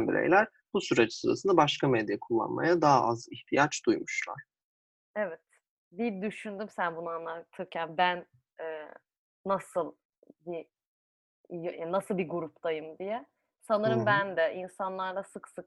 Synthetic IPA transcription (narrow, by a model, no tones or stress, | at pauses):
nbiɾḛjlʲæɾ̥ | b̥usyɾet͡ʃsuɾa̰sɯnd̪abaʃkamed̪jakʰulˠːa̰nma̰jad̪aːʔaziçt̪ʰijat͡ʃd̪̥ujmuʃlˠa̰ɾ̥ | evɛt̪ | bid̪yʃynd̪ymsænbunaanlˠat̪ʰɯɾcʰænbæn | ɛː | asɯlˠ | bi | jjanasɯlˠbiɡuɾupt̪ʰajɯmd̪ijɛ | sanɯɾɯmbænd̪ɛʔinsanlˠaɾd̪asɯksɯk